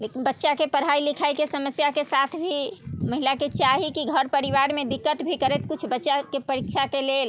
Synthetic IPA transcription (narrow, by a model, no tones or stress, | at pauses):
lekinbətːʃakepəɾɦailikʰaikesəməsjakesat̪ʰbʱiməɦilaket͡ʃaɦikiɡʱəɾpəɾiʋaɾmed̪ikːət̪bʱikəɾɛt̪kut͡ʃʰbətːʃakepəɾikʃʰakelel